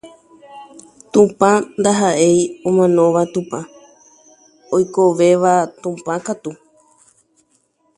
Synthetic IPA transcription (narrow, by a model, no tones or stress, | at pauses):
t̪ũpãnd̪aɦaʔe̞jõmãnõ̞ʋat̪ũpã | ojkoʋe̞ʋat̪ũpãkat̪u